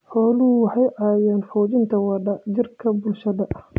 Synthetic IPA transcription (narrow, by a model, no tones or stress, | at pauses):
ħɔːlʊʊwɑħɑjʕɑːjɛːnfɔːt͡ʃɪnt̪ʰɐwɑdɐd͡ʒɪrkʰɐbʊlʃɐðɐʔɐh